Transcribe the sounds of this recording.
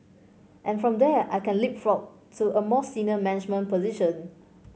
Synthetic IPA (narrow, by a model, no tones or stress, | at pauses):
ʔɛ̃nfɹɔ̃mdɛajkɛ̃nlip̚fɹɔt̚ | tʰːuʔəmɔsinəmɛnɪd͡ʒmə̃npɔziʃə̃n